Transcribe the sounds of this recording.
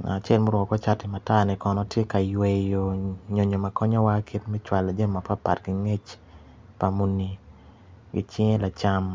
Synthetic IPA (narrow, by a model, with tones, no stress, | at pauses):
a̰˨t͡ʃɛ˦lmo˦ɾɔ˨kɔ˦t͡ʃa˦tɪ˨ma˨ta˦nɛ˨kɔ˨nɔ˨tje˦ka˨jwe˨jo˨ɲo˨ɲo˨ma˨kʰɔ˦ɲɔ˦wa˦kʰi˦tmɛ˦t͡ʃwa˨la˨d͡ʒe˦m˨ma˨pa˦pa̰˨tɡi˦ŋe˦t͡ʃ | pa˨mu˦ni˨ | ɡɪ˦t͡ʃi˦ŋe˦la˨t͡ʃa˦m